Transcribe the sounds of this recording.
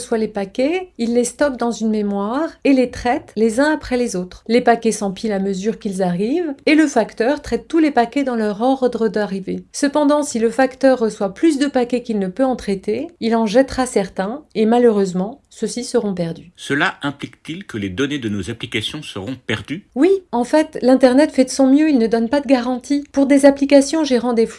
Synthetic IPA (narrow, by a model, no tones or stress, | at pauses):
swalepakʲɛilːest̪ɔk̚d̪ɑ̃zynmemwaʁelet̪χɛt̪lezɛ̃apχɛlezot̪χlepakʲɛsɑ̃pilaməzyʁkilzaʁiveləfakt̪œʁt̪χɛt̪ːulepakʲɛd̪ɑ̃lœʁɔʁd̪ʁəd̪aʁivesəpɑ̃d̪ɑ̃siləfakt̪œʁːəswaplys̬d̪əpakʲɛkilnəpøɑ̃t̪χɛt̪eilɑ̃ʒɛt̪ʁasɛʁt̪ɛ̃emaløʁøzmɑ̃səsisəʁɔ̃pɛʁd̪ysəlaɛ̃plikt̪ilkəled̪ɔned̪ənozaplikasjɔ̃səʁɔ̃pɛʁd̪ywiɑ̃fɛt̪lɛ̃t̪ɛʁnɛt̪fɛd̪əsɔ̃mjøilnəd̪ɔnpad̪əɡaʁɑ̃t̪ʰipuʁd̪ezaplikasjɔ̃ʒeʁɑ̃d̪ef